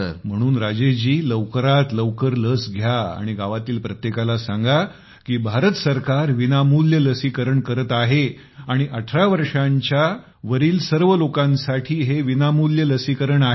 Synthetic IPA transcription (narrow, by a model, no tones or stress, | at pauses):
m̤əɽ̃uːnɾad͡ʑed͡ʑiːləʋkəɾat̪ləʋkəɾləsɡʱjaa̰ɽ̃iɡaʋat̪iːlpɾət̪jekalasãŋɡa | kiːbʱaɾət̪səɾkaɾʋinamuljələsikəɾəɳkəɾət̪aɦe | aɽ̃iʔəʈʰɾaʋəɾʂãɲt͡ɕja | ʋəɾiːlsəɾʋəlokãnsaʈʰiːɦeʋinamuljələsikəɾəɳae